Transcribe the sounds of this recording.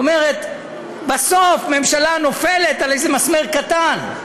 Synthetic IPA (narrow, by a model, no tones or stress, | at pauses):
omeʁet̪ | basofme̞mʃalano̞felet̪alejzemasmeʁkat̪an